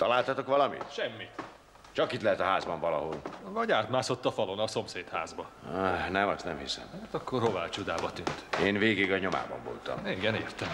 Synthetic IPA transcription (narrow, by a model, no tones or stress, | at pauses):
t̪ɒlaːlt̪ɒt̪okʋɒlɒmḭt̪ʃɛmːit̪ | t͡ʃɒkit̪lɛɦɛt̪ɒɦaːzbɒɱvɒlɒɦo̞lvɒɟaːt̪maːso̞t̪ːɒfɒlo̞nɒso̞mseːt̪haːzbɒnɛmɒst̪nɛmhisɛ̰mat̪ɒkːo̞rɦo̞vaːlt͡ʃud̪aːbɒt̪ynt̪eːnveːɡiɡɒɲo̞ma̰ːbɒ̰ɱvo̰lt̪ɒ̰meɡɛnḛːrt̪ɛm